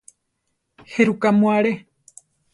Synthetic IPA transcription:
heɾukamuaɾe

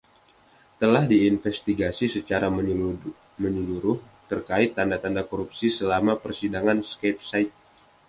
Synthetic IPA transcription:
t̪əlahdiːnfɛst̪iɡasisət͡ʃaɾa | məɲəluɾʊh | t̪ərkaɪt̪ːandat̪andakoɾup̚sisəlamapərsidaŋanskep̚sajt̪̚

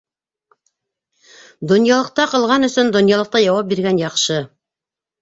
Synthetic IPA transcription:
d̪ŏnjɑlˠɤ̆q̚t̪ɑqɤ̆lˠʁɑnɵ̆sɵnd̪ŏnjɑlˠɤ̆q̚t̪ɑjɑwɑp̚biɾɡænjɑqʃɤ

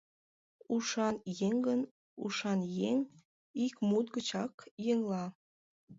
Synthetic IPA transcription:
uʃɑnjeŋɡən | ṵʃɑnjeŋ | ikmut̪̚ɡət͡ɕɑkjeŋlɑ

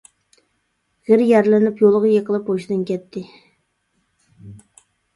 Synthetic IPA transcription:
ʁɪɾjæɾlɪnɪpjolˠʁəjeqəlˠɨpoʃɪd̪ɨnkʲɛt̪ʰːɪ

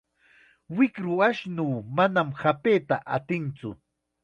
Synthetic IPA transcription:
wɪkɾʊaʃnuːmanamhapeːt̪aʔa̰t̪ɪnt͡sʊ̰

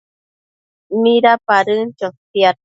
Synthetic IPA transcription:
mĩɾapaɾɨnt͡ʃotia

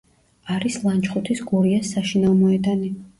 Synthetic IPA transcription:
aɾislˠant͡ʃχut̪ʰisɡuɾiasːaʃinamɔɛd̪ani

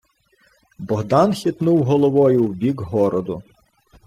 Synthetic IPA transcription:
bɔɦd̪ɑnxʲit̪nuwɦɔlˠɔʋɔjʊwbʲiɡɦɔɾɔd̪ʊ

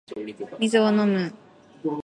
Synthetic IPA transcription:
mʲizɨonomɯ

